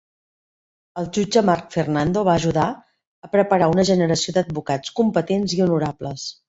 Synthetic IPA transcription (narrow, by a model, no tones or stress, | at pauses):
əlˠd͡ʒud͡ʒəmarkfernand̪oβaːʒuða | əpɾəpəɾaunəʒənəɾəsiod̪əd̪̚bukat͡skumpət̪enziunuɾabləs